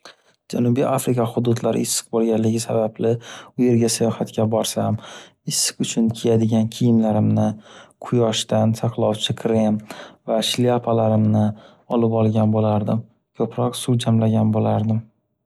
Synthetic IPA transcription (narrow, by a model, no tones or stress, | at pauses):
d͡ʒanubijʔafɾɪkʰaχʊd̪ʊd̪laɾɪ̰ɪsːɨ̥q̚bolˠɡʲanlɪɡʲɪsabablɪʊje̞ɾɡʲasajɒhat̪kʲabɒɾsam | ɪsːɨ̥qʊt͡ʃʰʊnkʲʰejad̪ɪɡʲankʲʰijɪmlaɾɪmnɪqʰʊjɒʃt̪ansʰɑqlˠɒwt͡ʃʰɪkʰɾɪmvaʃliapʰalaɾɪmnɪ | ɒlɪpɒlˠɡʲanbolaɾd̪ɪm | kʲʰɵpɾɒqsuwd͡ʒamlaɡʲanbolaɾd̪ɪm